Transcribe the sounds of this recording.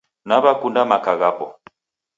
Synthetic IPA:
naβakundamakaɣapɔ

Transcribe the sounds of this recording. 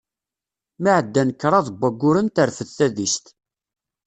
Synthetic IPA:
miʕəd̪ːænkːɾˤɑðˤəbʷːæɡːʊɾənt̪əɾfəðθæðist̪

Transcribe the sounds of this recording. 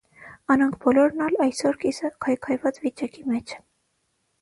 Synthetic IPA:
ɑnɑŋkʰbɔlɔɾnɑlɑjsɔɾkisəkʰɑjkʰɑjvɑt͡svit͡ʃɑkimɛt͡ʃʰ

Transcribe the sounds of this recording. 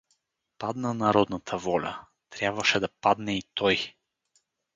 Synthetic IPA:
pad̪nənɐɾɔd̪nət̪ʰəvɔlʲə̰ | t̪ɾʲjabvəʃɛd̪ɐpad̪nɛit̪ɔj

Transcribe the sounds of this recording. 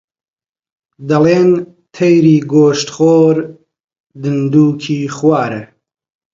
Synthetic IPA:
d̪ɐleːn | t̪ʰɐjɾiːɡoːʃt̪χoːɾ | d̪ɨnd̪uːkʰiːχwaːɾə

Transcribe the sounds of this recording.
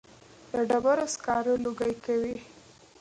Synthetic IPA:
d̪əɖabaɾoskɑɾəloɡajkawi

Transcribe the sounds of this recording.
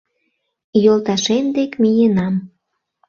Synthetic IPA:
jolˠt̪ɑʃend̪ekmijenɑm

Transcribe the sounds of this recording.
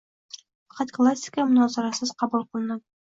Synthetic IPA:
χɑt̪klˠasʲːɪ̥kəmʊnɑzɑɾɑsɤz̥qɑbulˠqə̆lˠɤ̆nɤ

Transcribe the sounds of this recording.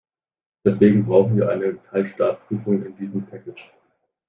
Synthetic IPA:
d̥ɛsv̥eːɡŋ̩bʁaʊxn̩viːɐʔa̰ɪnətʰaɪlʃtaːpʁ̥yːfʊŋɪ̰ndiːzəm̩pʰɛkɪt͡ʃ

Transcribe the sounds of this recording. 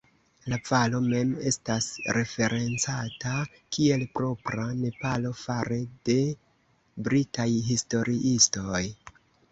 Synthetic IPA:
lavalo̞me̞me̞stasɾe̞fe̞ɾʔe̞nt͡sata | kie̞lpɾo̞pɾane̞palo̞faɾede̞ | bɾitajɦisto̞ɾiʔisto̞j

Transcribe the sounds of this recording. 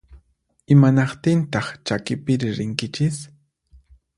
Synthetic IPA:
ɪmanɑqt̪ɪnt̪ɑχt͡ʃakɪpɪɾɪɾɪŋkɪt͡ʃɪs

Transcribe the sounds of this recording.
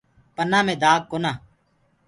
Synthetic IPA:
pənãːmẽːd̪aːɡ̚koːnaː

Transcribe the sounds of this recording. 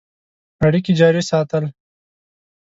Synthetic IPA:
ɐɽikid͡ʒɑːɾisɑːt̪əl

